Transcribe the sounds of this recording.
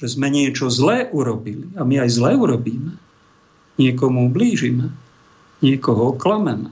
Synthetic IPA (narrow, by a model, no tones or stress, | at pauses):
ʒ̥ɛzmɛɲɪɛt͡ʃɔzlɛːʔuɾɔbiliamiajzlɛːuɾɔbiːmɛ | ɲɪɛkɔmuubliːʒimɛ | ɲɪɛkɔɦɔɔklamɛmɛ